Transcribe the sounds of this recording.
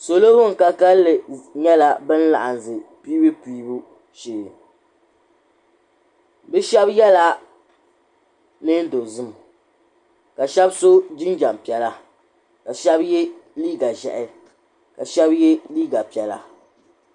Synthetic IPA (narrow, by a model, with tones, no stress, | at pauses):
so˨lo˦hʊ˦ŋ̩˨ka˦ka˦lːɨ˨ɲɛ˦la˦bɨ˦n˦la̰˨ʔa˨n˨zɨ˨pi˦bɨ˦piː˦bu˦ | ʃeː˨ | bɨ˦ʃɛ˦bjɛ˦la˦ | nɨ˦n˦do˨zɨ˦m | ka˨ʃɛ˦bso˦d͡ʒɪ˦nd͡ʒa˨m˨pi˨ɛ˨la˦ | ka˨ʃɛ˦bjɛ˦liː˦ɡa˨ʒɛ̰˨ʔɪ˨ | ka˨ʃɛ˦bje˦liː˦ɡa˨pi˨ɛ˨la̰˨